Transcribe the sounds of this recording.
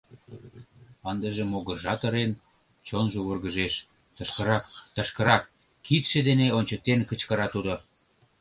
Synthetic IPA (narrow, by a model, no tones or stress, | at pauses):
ɑnd̪əʒĕmoɣə̆ʒɑt̪ə̆ɾen | t͡ɕonʒoβurɣəʒeʃ | t̪əʃkəɾɑt̪əʃkə̆ɾɑkː | it̪ʃĕd̪eneonʲt͡ɕə̆k̚t̪enkət͡ɕkəɾɑt̪ud̪o